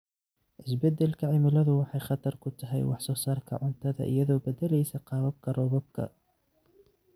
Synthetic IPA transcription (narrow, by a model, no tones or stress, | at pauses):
ʔɪsbɛd̪ɛlkʰɐʕɪmɪlɐðʊwɑħɑjχɑt̪ʰɐrkʰʊt̪ʰɐɦɛ̰jwɑ̰ħsɔːsaːrkʰɐ̰ʕʊnt̪ʰɐðɐ̰ʔɪ̰jɐðɔːbɐd̪ɛlɛjsɐqɑːβɐb̚kʰɐrɔːβɔb̚kʰɐ̰